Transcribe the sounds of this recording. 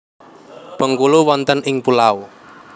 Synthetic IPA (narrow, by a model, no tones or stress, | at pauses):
b̥əŋkuluwɔnt̪ənʔɪŋpulau